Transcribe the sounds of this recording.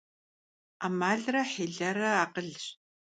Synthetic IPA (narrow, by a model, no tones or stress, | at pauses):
amaːɮrɐħeːɮɐɾɐaːqəɮɕ